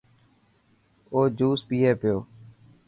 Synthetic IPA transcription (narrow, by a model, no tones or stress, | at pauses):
oːd͡ʒuːspiːɦeːpɪjoː